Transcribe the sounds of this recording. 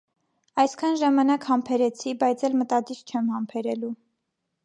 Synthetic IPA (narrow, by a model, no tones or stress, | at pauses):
ɑjskʰɑnʒɑmɑnɑkhɑmpʰɛɾɛt͡sʰibɑjt͡sʰɛlmət̪ɑd̪iɾt͡ʃʰɛmhɑmpʰɛɾɛlu